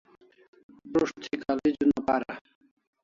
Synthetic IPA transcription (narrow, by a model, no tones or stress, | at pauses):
pɾoʃt̪ʰikʰaled͡ʑunɔpaɾa